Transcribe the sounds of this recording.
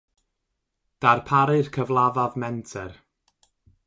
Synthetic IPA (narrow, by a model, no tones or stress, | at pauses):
d̥arpʰaɾɨrkʰəvlˠaðaðmɛntʰɛr